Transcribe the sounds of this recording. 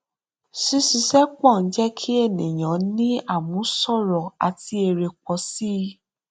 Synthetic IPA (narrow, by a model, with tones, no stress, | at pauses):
si˧˦si˧˦sɛ˦k͡pɔ̃˦˨n̩˦d͡ʒɛ˦kʰi˦e˦˨nĩ˨j̃ã˨˦nĩ˦a˦˨mũ˨˦sɔ˦˨ɾɔ˨a̰˨ti˧e˧ɾe˧k͡pɔ˧si˦˧